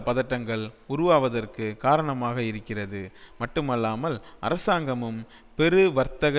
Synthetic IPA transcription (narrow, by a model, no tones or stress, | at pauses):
pɐðɐʈːɐŋɡɐɭʊɾʊʋaːʋɐðɐrkɯkaːɾɐɳɐmaːɣɐɪɾɯkːɪrɐðɯmɐʈːɯmɐlːaːmɐlʔɐ̰ɾɐsaːŋɡɐmɯm | pɛɾɯʋɐɾt̪ɐɣɐ